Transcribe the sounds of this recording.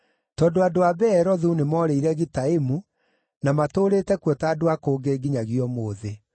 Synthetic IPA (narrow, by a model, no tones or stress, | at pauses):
tɔːndoadoaβɛːɾɔðunemɔɾeiɾɛɣitaemu | namatoːɾeːtɛkwɔtaːdowakoːɡeːɡiɲaɣiɔmoːðe